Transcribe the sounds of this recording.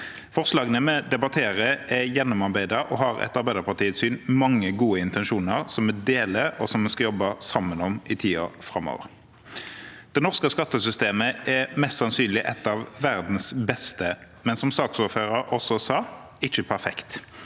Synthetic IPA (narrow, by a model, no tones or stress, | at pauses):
fɔʁslɑːɡənəmɛd̪ɛbɑt̪ʰeːɾəɛjɛnːɔmɑʁbæɪd̪ɑʔɔ̰ɦɑɾɛ̰t̪ɑʁbæɪd̪əɾpɑʁt̪ʰiːət̪syːnmɑŋːəɡuːəɪnt̪ʰɛnʃuːnəʁsɔmːɛd̪eːləɔsɔmːɛskɑjɔbːɑsɑmːənɔmɪt̪ʰiːɑ̰fɾɑmːo̰ːʋə̰ʁ | d̪̥ɛnɔʁskəskɑt̪ːəsʏst̪eːməɛmɛst̪sɑnsyːnlɪʔɛt̪ːɑʋːæʁd̪n̩sbɛst̪ə | mɛnsɔmsɑːksɔːɾføːʁəɾɔsɔsɑ | ɪt͡ʃːəpʰæʁfɛkt̪